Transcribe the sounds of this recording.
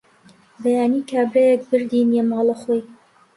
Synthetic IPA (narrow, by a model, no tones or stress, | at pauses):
bɛjaːniːkʰaːbɾɛjɛk̚bɨɾd̪inemɑːlˠəχoj